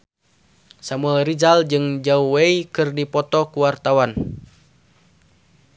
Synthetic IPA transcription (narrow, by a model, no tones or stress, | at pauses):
samuarid͡ʒald͡ʒɨŋd͡ʒauweikɨrdipɔt̪ɔkuwart̪awan